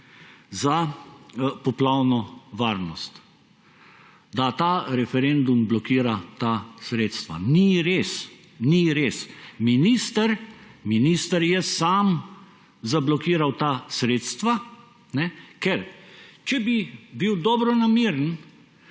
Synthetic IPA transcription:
za | pɔplawnɔʋaːɾnɔst̪ | d̪at̪aːɾɛfɛɾend̪umblɔkiːɾat̪asɾet̪st̪ʋa̰niɾeːs | niɾesminist̪əɾminist̪əɾjɛsaːm | zablɔkiːɾawt̪aːsɾeːt̪st̪ʋa | nɛkɛɾt͡ʃɛbibiwd̪ɔbɾɔnamiɾən

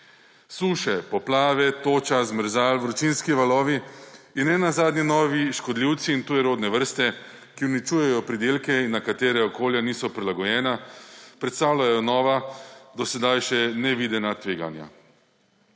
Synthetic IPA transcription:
suːʃɛpɔplaːʋɛt̪oːt͡ʃazməɾzaːlʋɾɔt͡ʃinskiʋalɔːʋiinɛnazaːd̪ninɔːʋiʃkɔd̪liwt̪siːnt̪uːjɛɾoːd̪nɛʋəɾst̪ɛ | kiunit͡ʃuːjɛjɔpɾid̪eːlkɛinːakat̪eːɾɛɔkoːljaniːsɔpɾilaɡɔjɛːnapɾɛt̪st̪aːwlajɔnɔːʋad̪ɔsɛd̪ajʃɛnɛʋiːd̪ɛnat̪ʋeːɡa̰nja̰

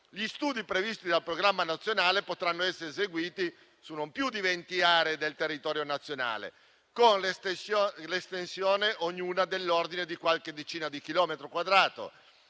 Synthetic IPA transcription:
ʎist̪uːd̪ipɾevist̪id̪alpɾoɡɾamːanat̪sːjonaːlepot̪ɾanːoɛsːeɾezeɡwiːt̪i | sunːompjud̪ivent̪iaːɾed̪elt̪erːit̪ɔːɾjonat̪sːjona̰ːlḛ | konlest̪slest̪ensjoːneʔoɲːuːnad̪elːord̪ined̪ikwalked̪ːet͡ʃiːnad̪ikilɔːmet̪ɾokwad̪ɾaːt̪o̰

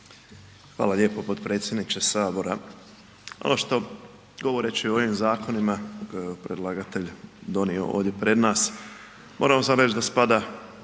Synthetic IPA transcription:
xʋa̰ːlaʎeːpopo̞t̪pɾe̞ːt̪sʲje̞d̪nit͡ʃesaːbo̞ɾa̰ | o̰noʃt̪o̞ | ɡo̞ʋo̞ɾet͡ʃiooʋimzaːkʰo̞nimakojeopɾed̪lˠaɡat̪e̞ʎd̪o̞nio̰oːʋd̪je̞pɾe̞d̪naːs | mʔo̞ːɾamo̞samɾe̞t͡ʃd̪aspad̪a

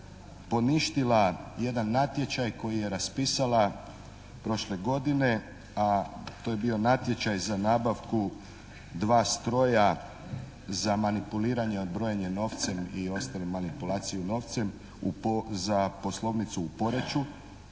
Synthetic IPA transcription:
po̞niʃt̪ilaje̞d̪anːat̪je̞t͡ɕajko̞jije̞ɾaspiːsala | pɾo̞ʃle̞ɡo̞d̪ine̞ | at̪o̞jebio̞nat̪je̞t͡ɕajzanaːbaʋku | d̪ʋaːst̪ɾo̞ja | zamanipuliːɾaɲe̞od̪̚bɾo̞jeɲe̞no̞ːʋt̪se̞mio̞st̪alimːanipulˠaːt̪sijuno̞ːʋt̪se̞m | upzapo̞slˠo̞ʋnit̪suːpo̞ɾe̞t͡ɕu

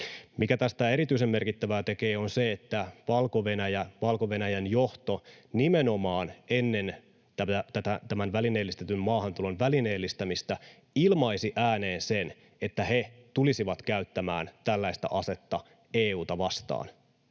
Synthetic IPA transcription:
mikæt̪æst̪æe̞ɾit̪yis̬emːe̞rkit̪ːæʋæːt̪e̞ke̞ːonseet̪ːæʋɑlkoʋe̞næjæʋɑlkoʋe̞næjænjo̞ht̪onimeno̞mɑːnenːe̞n | t̪ææt̪æt̪æt̪æmænʋælineːlːist̪et̪ymmɑːhɑnt̪ulonʋælineːlːist̪æmist̪æ | ilmɑisiʔæːne̞ːnsen | et̪ːæhe̞t̪ulisiʋɑt̪kæyt̪ːæmæːnt̪ælːæist̪æ̰ʔɑse̞t̪ːɑ | eːuːt̪ɑʋɑst̪ɑ̰ːn

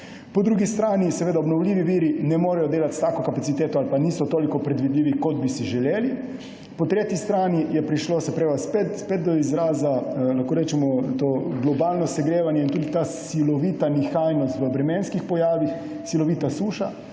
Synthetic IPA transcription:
pɔd̪ɾuɡist̪ɾaːnisɛʋeːd̪aɔbnɔwlʲiːʋiʋiːɾinɛmoːɾɛjɔd̪eːlat̪st̪aːkokapat̪sit̪eːt̪ɔalpaniːsɔt̪oːlikɔpɾɛd̪ʋid̪liːʋikɔd̪̚bisiʒɛleːli | pɔt̪ɾeːt̪ist̪ɾaːnijɛpɾiʃloːsɛpɾeːʋaspet̪spetd̪̚d̪ɔizɾaːzalaxkoːɾɛːt͡ʃɛmɔt̪oːɡlɔbaːlnɔsɛɡɾeːʋanjɛint̪uːd̪it̪aːsilɔʋiːt̪anixajnɔst̪ʋəbɾɛmeːnskixpɔjaːʋix | silɔʋiːt̪asuːʃa

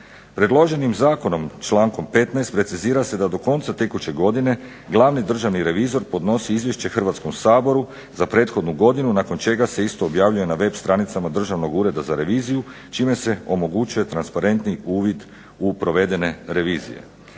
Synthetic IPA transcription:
pɾed̪lˠo̞ʒe̞nimzaːko̞no̞mt͡ʃlaːŋko̞mpe̞t̪najst̪pɾe̞t̪siziːɾase̞d̪ad̪o̞ko̞nt̪sat̪e̞kut͡ɕe̞ɡo̞d̪ine̞ | ɡlˠaːʋnid̪r̩ʒaʋniɾe̞ʋiːzo̞ɾpo̞d̪no̞siizʋje̞ʃt͡ɕe̞xrʋat̪sko̞msaːbo̞ɾu | zapɾe̞ːt̪xo̞d̪nuɡo̞d̪inunako̞nt͡ʃe̞ɡase̞ist̪o̞ːbjaːʋʎuje̞naʋe̞bst̪ɾaːnit̪samad̪r̩ʒaʋno̞ɡuːɾe̞d̪azaɾe̞ʋiːziju | t͡ʃiːme̞se̞o̞mo̞ɡut͡ʃuje̞t̪ɾanspaɾe̞nt̪niuːʋid̪ | upɾo̞ʋe̞d̪e̞ne̞ɾe̞ʋiːzḭje̞̰

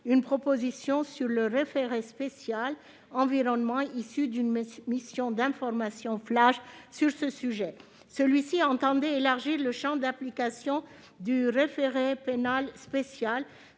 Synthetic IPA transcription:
ynpχɔpozisjɔ̃syʁləʁefeʁespesjal | ɑ̃viʁɔnmɑ̃isyd̪ynmisjɔ̃d̪ɛ̃fɔʁmasjɔ̃flaʃsyʁsəsyʒɛ | səlɥisiɑ̃t̪ɑ̃d̪ɛelaʁʒiʁləʃɑ̃d̪aplikasjɔ̃ | d̪yʁefeʁepenalspesjal

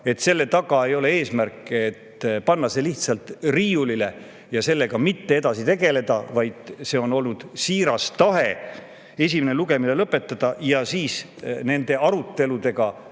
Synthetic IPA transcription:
e̞t̪ːse̞lːe̞t̪ɑɡ̥ɑe̞jo̞le̞eːsmærkːˑet̪pɑnːɑse̞liht̪sɑlt̪riːjulile̞ | jɑse̞lːe̞ɡ̥ɑmit̪ːe̞e̞d̪ɑsit̪e̞ɡ̥e̞le̞d̪̥ɑvɑjd̪̥se̞o̞no̞lnud̪̥siːɾɑst̪ɑɦe̞ | e̞s̬ʲimeneluɡe̞mile̞lɤpːˑe̞t̪ːˑɑd̪̥ɑjɑsiːs | ne̞nd̪̥e̞ɑɾut̪ːe̞lud̪e̞ɡ̥ɑ

